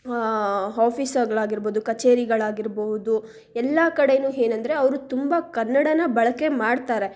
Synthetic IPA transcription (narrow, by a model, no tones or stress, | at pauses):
ɦaːpisɐɡɐɭaːɡiɾboːd̪ukɐt͡ʃeːɾiɡɐɭaːɡiɾboɦud̪u | ɛlːɐkɐɽenuːɦeːnɐnd̪ɐɾe̞ɐʋɐɾut̪umbɐkɐnːɐɽɐnɐbɐɭɐkːe̞maːɽt̪aːɾe̞